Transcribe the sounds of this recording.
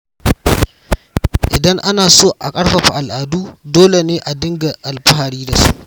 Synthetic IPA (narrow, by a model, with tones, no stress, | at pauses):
ʔɪ˨dɐ˦ŋʔa˦naː˨soː˦ʔa̰˨kʼɐ˦ɽɸɐ˨ɸa˨ʔa˨lʔaː˨duː˦doː˦le˨neː˦ʔa˨dɪ˦ŋɡa˨ʔa˨lɸa˦ɦa˨ɽiː˦da˨su˦ʔ